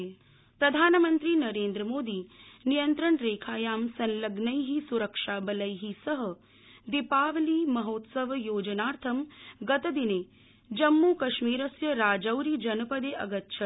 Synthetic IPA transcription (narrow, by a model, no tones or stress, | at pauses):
pɾɐd̪ʱaːnɐmɐnt̪ɾiːnɐɾeːnd̪ɾɐmoːd̪iːnijɐnt̪ɾɐɳɾeːkʰaːjaːmsɐnlɐɡnɐjɦisuɾɐkʂaːbɐlɐjɦisɐɦɐ̆ | d̪ipaːʋliːmɐɦoːt̪sɐʋjoːd͡ʒɐnaːɾt̪ʰɐmɡɐt̪ɐd̪ineː | d͡ʒɐmːuːkɐʃmiːɾɐsjɐɾaːd͡ʒɐwɾid͡ʒɐnɐpɐd̪eːʔɐɡɐt̪ʃʰɐ